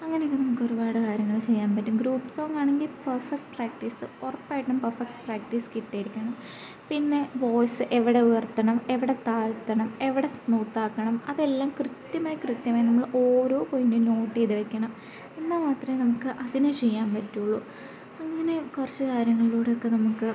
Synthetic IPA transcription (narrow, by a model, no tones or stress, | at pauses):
ɐŋːɐnejokːenɐmukːoɾubaːɽɨkaːɾjɐŋːɐɭt͡ɕe̞jːaːnpɐtːumɡɾuːpːsoːŋaːɳe̞ŋɡilpɐrfɐk̚ʈpraːk̚ʈiːsɨorɐpːaːjiʈːumpɐrfɐk̚ʈɨ̥praːk̚ʈiːskiʈːaːjiɾikʲːɐɳɐm | pinːe̞ʋo̞ːjsɨʔeʋiɽe̞ujɐrt̪ːɐɳɐme̞ʋiɽe̞t̪aːlt̪ːɐɳɐme̞ʋiɽe̞snuːt̪ːaːkːɐɳɐmɐðe̞lːaːmkrɨt̪jɐmaːjɐkrɨt̪jɐmaːjɐnɐmːɐɭʔo̞ːɾo̞ːpo̞jindɨno̞ːʈːejðɨʋɐkʲːɐɳɐm | enːamaːt̪rɐmenɐmukːɨʔɐðinet͡ɕe̞jːaːnpɐtːuɭːu | ɐŋːɐne̞kurɐt͡ɕːɨkaːɾjɐŋːɐɭiluːɽeokːe̞nɐmukːɨ